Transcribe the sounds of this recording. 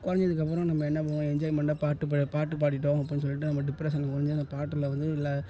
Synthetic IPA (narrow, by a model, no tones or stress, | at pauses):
kʊɾɐɲd͡ʒɐðɯkːɐp̬ːɯɾõnɐmːɐɛnːɐpːɐʋɐ̃ɛɲd͡ʒaːjɪmɐɳɖaːpaːʈːɯpɐpaːʈːɯp̬aːʈ̬ɪʈːõːɐp̬ːinːɯs̬ɔlːɪʈːɯnɐmːɐɖɪpːɾeːsɐnkʊɾɐɲd͡ʒɐnd̪ɐpaːʈːɯlɐʋɐnd̪ɯɪlːa